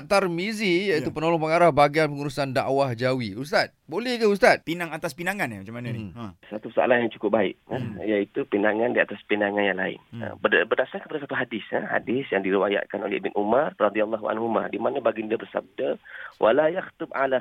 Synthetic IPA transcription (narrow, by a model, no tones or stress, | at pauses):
t̪armizijaiupənolɔŋpəŋaɾahbaɡianpəŋuɾusandaʔwahd͡ʒawiust̪at̪̚bolɛhkəust̪at̪̚pinaŋat̪aspinaŋanamat͡ʃamanansat̪usaa̰lahjaŋt͡ʃu̥kʊp̚baɪ̰ʔajait̪upinaŋandiat̪aspinaŋanjaŋlaɪ̰nə̰babərdasarkə̥padasat̪uɦadɪsə̰ha̰dɪsjaŋdiɾiwaja̰ʔkano̰lɛ̰hbɪnʔumarːɑd̪ialːaɦua̰nɦuma̰dimanãbaɡindabərsa̰b̚dawʔa̰lajaxt̪ʊba̰la